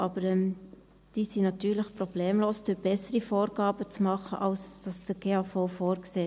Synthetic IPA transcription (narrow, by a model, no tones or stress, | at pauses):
ʔɑb̥əɾɛm | d̥iːsinɑtyːləχprɔb̥leːmloːsd̥yb̥ɛsəɾifoːɾɡɑːb̥ət͡smɑχəʔɑlsd̥ɑsd̥əɡ̥eːɑːfɔʊfoːɾkseː